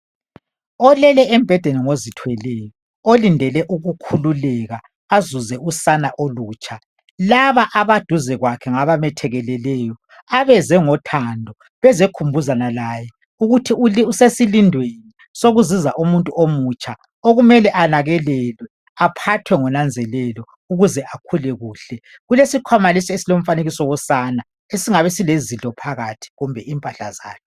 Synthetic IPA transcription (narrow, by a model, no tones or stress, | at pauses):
ɔlɛlɛɛm̩b̥ʱɛd̥ʱenɛŋozitʰwɛlɛjɔ | olindʱɛlɛʔuɣukʰululɛɣa | azuzɛusanaʔoluːt͡ʃʼa | laβaʔaβad̥ʱuzɛɣwakʰɛŋaβamɛtʰɛɣɛlɛlɛjɔ | aβɛzɛŋɔtʰandʱɔ | βɛzekʰumbʱuzanalaːjɛ | uɣutʰiuliusesilindʱweni | soɣuziza̰ʔumuntʼuʔomut͡ʃʼa | oɣumɛlɛʔanaɣɛlɛlwɛ | apʰatʰwɛŋɔnand͡zʱɛlɛlɔ | uɣuzɛʔakʰulɛɣuːɬɛ | ɣulesikʰwamalisɛesilom̩faneɣisɔwɔsana | esiŋaβɛsilezintʼɔpʰaɣatʰi̥ɣumbʱɛimpʼaɬa̰za̰ːkʰɛ̥